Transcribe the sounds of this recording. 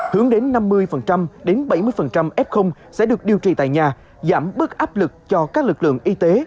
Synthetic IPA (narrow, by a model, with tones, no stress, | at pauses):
hɨ˨˦əŋɗe˨˦nːa˧mːɨ˧əjfə˨˩nt͡ɕa˧mɗe˨˦nɓa˧˩jmɨ˧əjfə˨˩nt͡ɕa˧mʔɛ˦˥p̚xə˧wŋ͡msɛ̰˧˥ɗɨ˨˩ək̚ɗi˧əwt͡ɕḭ˧˩t̪a̰ː˧˨jɲaː˨˩ | zaː˧˩mɓɨ˦˥ək̚ʔaː˦˥p̚lɨ˨˩k̚t͡ɕɔ˧kaː˦˥k̚lɨ˨˩k̚lɨ̰˧˨əŋʔi˧t̪e˨˦